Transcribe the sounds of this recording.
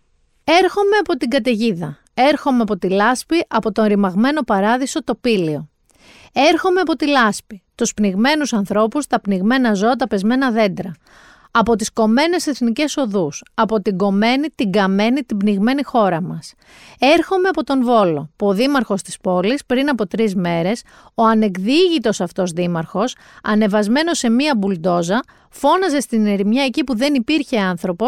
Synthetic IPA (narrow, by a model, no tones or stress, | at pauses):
e̞ɾxo̞me̞ɐpo̞t̪iɡɐt̪e̞ʝiðɐ | e̞ɾxo̞meɐpo̞t̪ilɐspiʔɐpo̞t̪o̞nɾimɐɣme̞no̞pɐɾɐðiso̞t̪o̞pilio̞ | e̞ɾxo̞me̞ɐpo̞t̪ilɐspit̪uspniɣme̞nusɐnθɾo̞pust̪ɐpniɣme̞nɐzo̞ɐt̪ɐpe̞zme̞nɐðe̞nd̪ɾɐ | ɐpo̞t̪isko̞me̞ne̞se̞θnice̞so̞ðusɐpo̞t̪iɡo̞me̞nit̪iɡɐme̞nit̪ibniɣme̞nixo̞ɾɐmɐs | e̞ɾxo̞me̞ɐpo̞t̪o̞nvo̞lo̞puo̞ðimɐɾxo̞st̪i̥spo̞lispɾinɐpo̞t̪ɾizme̞ɾe̞s | o̞ɐne̞kðiʝit̪o̞sɐft̪o̞zðimɐɾxo̞s | ɐne̞vɐzme̞no̞se̞miɐbuld̪o̞zɐ | fo̞nɐze̞st̪ineɾimɲɐe̞cipuðe̞nipiɾçe̞ɐnθɾo̞pos